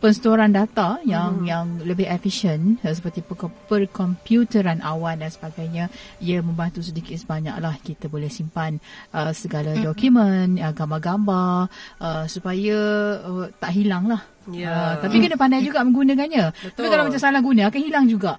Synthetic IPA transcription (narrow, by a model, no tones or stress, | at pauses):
pənsə̥t̪oɾandat̪ajaŋjaŋləbɪɦɛfiʃənsəpərt̪ipəpərkɔmpjut̪əɾanʔawandansəbaɡajɲaiəmə̃mbant̪us̬ədikɪt̪səbaɲa̰klahkit̪abolɛhsimpanʔəsəɡaladɔkumənəɡambaɡambaʔəsupajaət̪aʔɦilaŋlah | ət̪apikənəpandajd͡ʒuɡaʔmə̃ŋɡunə̃kanɲat̪apikalamat͡ʃamsalahɡunãakanhɦilaŋd͡ʒuɡaʔ